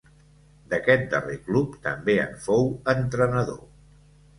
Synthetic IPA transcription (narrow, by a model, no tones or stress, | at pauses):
d̪əkɛt̪̚d̪əreklupt̪əmbeə̰ɱfowənt̪ɾənəðo̰